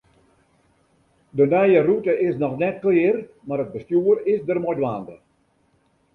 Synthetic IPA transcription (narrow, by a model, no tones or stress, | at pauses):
dənɛjərutəʔɪsnɔxnɛt̚klɪːr | maɾəd̚bəstjuərɪsdərmojdwaːndə